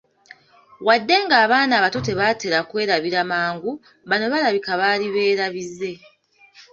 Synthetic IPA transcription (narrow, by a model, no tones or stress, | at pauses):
wadːe̞ŋɡaːβaːnaːβato̞te̞βate̞ɾakwe̞ːɾaβiɾamaːŋɡu | βano̞βalaβikaβaːliβe̞ːɾaβizːe̞